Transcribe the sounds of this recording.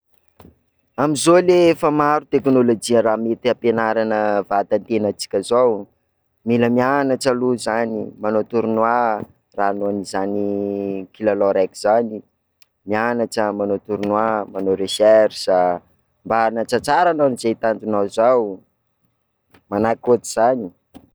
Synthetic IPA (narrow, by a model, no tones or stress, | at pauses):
amizolefəmaɾut̪eknolod͡ʒiəɾamet̪iapenaɾanəvat̪ant̪enat͡si̥kʲazaw | miləmianaʈ͡ʂaluzanimanot̪uɾunwa | ranoanizanikilalɔɾɛkiz̥ani | mianaʈ͡ʂəmanot̪uɾunwamanoɾesɛrsa | mbanat͡sat͡saɾananizet̪and̪unawzaw | manakot̪iz̥ani